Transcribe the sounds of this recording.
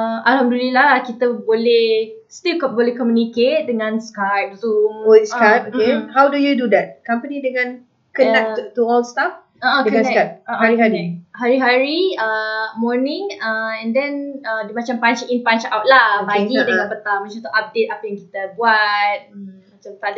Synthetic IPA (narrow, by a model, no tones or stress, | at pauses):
əalhamdulilakit̪əbolɛh | st̪ilkɔbolɛhkɔmjuniket̚dəŋãnskajp̚zumoskajp̚oehawdujududɛt̚kampənĩdəŋãn | kənãut̪uɔlst̪af | oʔadəãnkajp̚aaɾihaniɛhaɾiɦaɹiəmɔnĩŋəɛ̃ndɛ̃nədimat͡ʃampant͡ʃĩnpant͡ʃawt̚laobaɡidəãpət̪amət͡ʃat̪uʔap̚det̚apəjãŋki̥t̪əbuat̚mat͡ʃamt̪ad